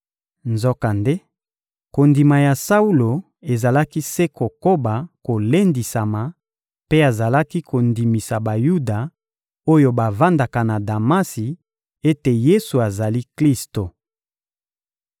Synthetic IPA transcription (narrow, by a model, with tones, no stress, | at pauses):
nzɔ˦ka˨nde˦ | ko˨ndi˨ma˨ja˨sa˦u˦lo˨ | e˨za˨la˦ki˦se˦ko˨ko˦ba˨ko˨le˦ndi˨sa˨ma˨ | pe˦a˨za˨la˦ki˦kʰo˨ndi˨mi˨sa˨ba˨ju˦da˨ | o˦jo˦ba˨va˦nda˨ka˨na˨da˨ma˦si˨ | e˦te˨je˦su˨a˨za˨li˦kli˦sto˨